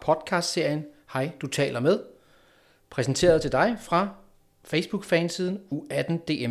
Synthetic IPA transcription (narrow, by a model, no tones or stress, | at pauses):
pʰɒ̽d̥kʰɑ̈ːsd̥se̝ɐ̰jən | hɑ̈ɪ̰d̥ut͡sʰɛ̰ːlɐmeð̞ˠ | pʰʁɛsnt͡sʰe̝̰ːɐð̞ˠt͡sʰe̝ld̥ɑ̈ɪfʁɑ̈ | feɪsb̥uɡ̥fɛːnsiːð̞ˠn̩uæd̥n̩d̥e̝ːe